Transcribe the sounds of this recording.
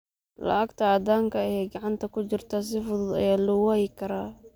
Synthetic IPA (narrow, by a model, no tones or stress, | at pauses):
lɐ̰ʔɐɡt̪ʰɐɐd̪aːŋkʰɐɛɡɑʕɑnt̪ʰɐkʰʊt͡ʃɪrt̪ʰɐs̬ɪfʊðʊd̪ɐ̰jaːlʊwaɪkʰɐɾaː